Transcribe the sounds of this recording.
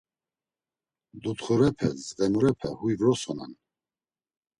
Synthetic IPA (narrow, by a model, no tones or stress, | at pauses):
d̪ut̪χɔɾɛpʰɛzʁɛmuɾɛpʰɛhujvɾɔsɔnɛ̰n